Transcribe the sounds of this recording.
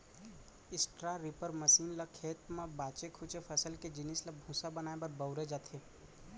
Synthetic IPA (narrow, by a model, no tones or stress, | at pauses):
ɪsʈɾaɾɪpəɾməsiːnləkʰeːt̪mãbaːt͡ʃekʰʊt͡ʃepʰəsəlked͡ʒɪnɪsləbʱũːsabənaːebəɾbəʊɾed͡ʒaːt̪ʰeː